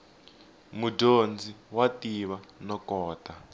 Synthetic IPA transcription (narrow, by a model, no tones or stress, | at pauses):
mudond͡ziwatiβanɔkɔːta